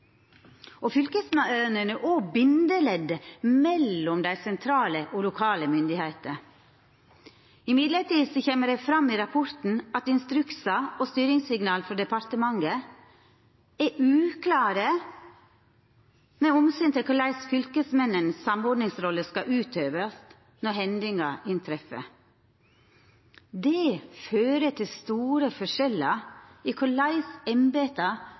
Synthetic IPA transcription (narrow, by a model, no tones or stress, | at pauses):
ofʏlkəsmnənəʔobɪnd̪əlɛd̪əmɛlːɔmd̪æɪsɛnt̪ʰɾɑːləʔoːlʊkʰɑːləmʏnd̪ɪhæɪt̪ə̰ | ɪmɪd̪ləʈiːd̪sɔçeːməɖæɪfɾɑmːiːɾɑpʰɔɾt̪n̩ɑt̪ɪnst̪ɾʉksɑoːst̪yːɾɪŋsɪɡnɑːlfɔɖɛpɑɾt̪əmɑŋɡə | ɛʔʉːkʰlɑːɾə | meːɔmsɪnt̪ɪlkʊlæɪsfʏlkəsmɛnːənsːɑmɔɖ̪nɪŋsɾɔlːəskɑʔʉːt̪ʰøːʋəst̪ | nɔhɛnd̪ɪŋɑ̰ʔɪnt̪ʰɾɛfə̰ | d̪eːføːɾət̪ʰɪlst̪uːɾəfɔʂɛləiːkʰʊɭæɪsɛmbeːt̪ɑ